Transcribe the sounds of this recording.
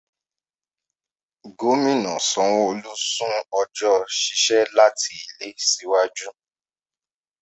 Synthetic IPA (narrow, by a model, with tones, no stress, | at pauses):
ɡo˨˦mĩ˦nɔ̃˨sɔ̃˨w̃ɔ˦o˧lu˦sũ˦ɔ˧d͡ʒɔ˦ʃi˧ʃɛ˦la˦tʰi˦i˨le˨˦si˨˦wa˦d͡ʒu˦